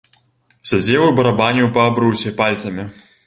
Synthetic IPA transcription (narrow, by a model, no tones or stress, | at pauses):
sʲad͡zʲɛwɨbɐɾabanʲuwpɐːbɾɨwsʲɛpalʲt̪sɐmʲi